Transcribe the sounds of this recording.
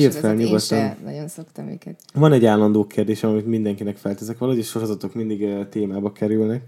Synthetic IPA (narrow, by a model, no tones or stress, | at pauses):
irt̪fɛlɲuɡot̪ːɒnnɒ̰jonsokt̪ɒmḭkɛt̪vɒnɛɟːaːlːɒnd̪oːkʰeːrd̪eːʃɛmɒmit̪mind̪ɛŋkinɛkfɛlt̪ɛzɛkʋɒlɒɦoɟeːʃo̞ɾo̞zɒt̪o̞kmind̪iɡt̪eːmaːbɒkɛɾylnɛk